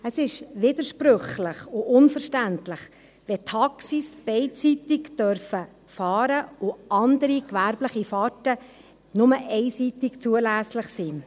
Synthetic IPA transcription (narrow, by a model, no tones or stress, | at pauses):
əsɪʃʋɪd̪əɾʃpɾøχlɪχʊʔʊnfəɾʃtæntlɪχ | ʋɛtʰɑksisb̥ɛɪtsit̪ɪkd̥œɾfə | fɑːɾəʊɑnd̪əɾikʋæɾbləχifɑtə | nʊməʔɛɪsit̪ikt͡suəlæːsləχsi